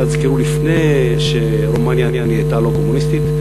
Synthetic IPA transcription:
azkiʁulifne̞j | ʃe | ʁo̞manjanianiet̪alo̞ko̞munist̪it̪

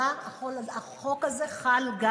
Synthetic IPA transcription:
aaχolaaχokazeχalɡa

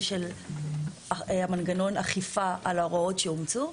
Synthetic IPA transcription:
ʃel | amanɡano̞naχifaʔalaoʁaotʃeumt͡su

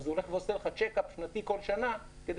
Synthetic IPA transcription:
zoleχveoseʁχat͡ʃekapʃnat̪iko̞lʃana | ked̪

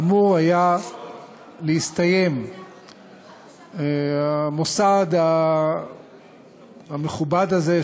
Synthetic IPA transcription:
muʁaja | leist̪aje̞m | amosad̪a | hameχubad̪aze

